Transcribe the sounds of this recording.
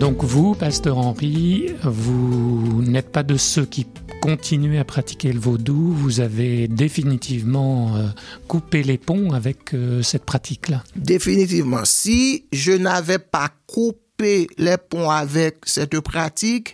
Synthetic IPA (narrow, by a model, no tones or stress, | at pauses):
d̪ɔ̃kvupast̪œʁɑ̃ʁivunɛt̪̚pad̪əsøkʲikɔ̃t̪ʰinɥeapχat̪i̥kʲeləvod̪uvuzaved̪efinit̪ʰivmɑ̃økupelepɔ̃avɛkøsɛt̪pχat̪ʰiklad̪efinit̪ivmɑ̰̃siʒənavɛpakʰupelɛpɔ̃avɛk̚sɛt̪pχat̪ik